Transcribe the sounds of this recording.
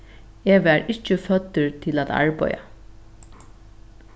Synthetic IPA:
eʋæɾɪt͡ʃːɪfœt̪ːʏɹt̪ʰɪlaða̰ɹpɔ̰ja̰

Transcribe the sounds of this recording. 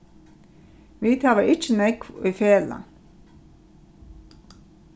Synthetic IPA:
ʋiːt̪ʰɑːʋəʔɪt͡ʃənɛkiːfeːlə̰

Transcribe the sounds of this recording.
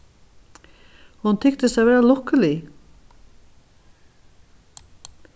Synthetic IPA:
hunt̪ʰɪkt̪ɪsaðvɛːɾalɔhkəli

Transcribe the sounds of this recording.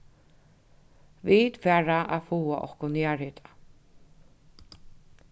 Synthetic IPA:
viːt̪fɛːɹaʔafuːaʔɔ̰hkʊnaːɹɪt̪ʰḁ

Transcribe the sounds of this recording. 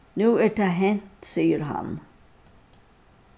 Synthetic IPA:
nʉːæːʈæɦɛnt̪siːəɾhɑ̰n

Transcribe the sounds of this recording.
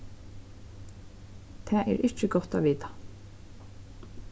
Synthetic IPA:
t̪ʰɛːʔɛ̰ɾʔɪt͡ʃɪɡɔht̪aʋiːt̪ḁ

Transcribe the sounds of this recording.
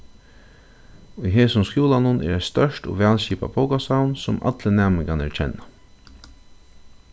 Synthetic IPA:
ʊjɦeːsʊmskjuːlanʊnʔɛ̰ɾɛɪst̪œʃʈʊ̰ːʋæːlɕiːpa̰pʰoʊkasawnsʊma̰t̪lənæːmɪŋɡanɛ̰ɾt͡ʃʰɛnːa

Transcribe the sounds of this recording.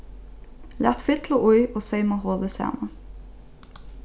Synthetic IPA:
læt̪fɪt̪ʰləʔʊʏoːseɪmɑːhoːd̪əsæ̰ːmən

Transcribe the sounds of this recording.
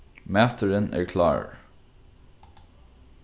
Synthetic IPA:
mæːt̪əɹənæ̰ɹkʰlɑ̰ːɹ

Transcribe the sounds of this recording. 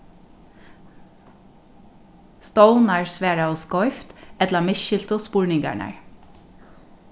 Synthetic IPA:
st̪oʊnæːɹsʋæːɹɑoːskɔʏft̪ɛt̪ləmɪʃɪlt̪oːspʊɹnɪŋɡæ̰ɳæ̰ɹ

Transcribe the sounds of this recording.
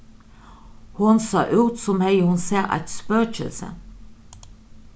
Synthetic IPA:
hʊnsɑ̰ːʔʉːt̪sɔmhɛjəhʊnseːʔæ̰t̪spœːt͡ʃəlsə̰

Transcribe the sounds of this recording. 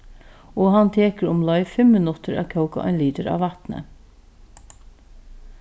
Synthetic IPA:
oːhɑnt̪ʰeːkəɹʊmlɔʏfɛmɪnʊt̪əɾɑ̰ːʋkʰœʊka̰ʔœ̰ɪnliːd̪əɾɑ̰ːʋɑt̪nə̰

